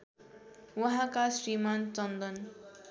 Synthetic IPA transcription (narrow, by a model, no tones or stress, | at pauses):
wʌɦãkasɾimant͡sʌnd̪ʌn